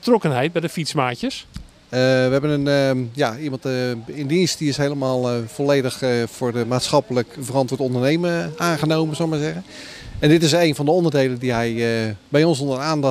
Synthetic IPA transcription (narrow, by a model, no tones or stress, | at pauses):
ətrɔkənɦɛjt̚bɛjdəfitsmaːcəs | əʋəɦɛbənənəjaimɑntɪndinst̚diɪsɦejləmaːlˠv̥ɔlejdəxv̥ʊːɹdəmaːtsxɑpələkfərɑntwʊːtɔndərnejməaːnχənowmənsowmaɹzɛɣən | ɛndɪtɪsejnvɑndəɔndərdejləndiɦɛjəbɛjɔnsɔndəraːndɑ